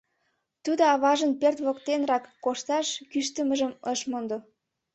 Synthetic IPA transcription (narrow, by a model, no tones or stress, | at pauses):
t̪ud̪oɑβɑʒənpert̪βokt̪enrɑkːoʃt̪ɑʃkyʃt̪əməʒəməʃmond̪o